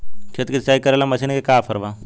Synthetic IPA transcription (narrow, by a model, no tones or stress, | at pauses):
kʰet̪kit̪t͡ʃaːikɐɾeːlamɐsʰinkekaːpʰɐɾʋaː